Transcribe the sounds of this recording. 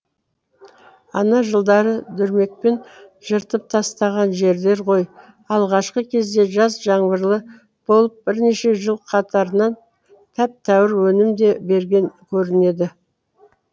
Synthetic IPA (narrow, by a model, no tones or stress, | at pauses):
ɑnɑʒəlˠd̪ɑɾəd̪ʏɾme̞k̚pe̞nʒ̥əɾt̪əp̚t̪ʰɑst̪ɑʁɑnʒe̞ɾd̪e̞ɾqʰo̞j | ɑlˠʁɑʃqəkʲʰe̞zd̪e̞ʒɑsʒɑɴbəɾlˠə | b̥o̞lˠəp̚bɪɾne̞ʃe̞ʒəlˠqʰɑt̪ʰɑɾənɑn | t̪ʰæp̚t̪ʰæwɪɾwɵnɪmd̪e̞be̞ɾɡʲe̞ŋkʲʰɵɾɪne̞d̪ɪ